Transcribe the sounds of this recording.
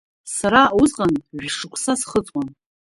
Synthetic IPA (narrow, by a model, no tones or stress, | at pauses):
saɾauzqʼanʒᶣʂɨkʷʰʼsasχət͡sʼwan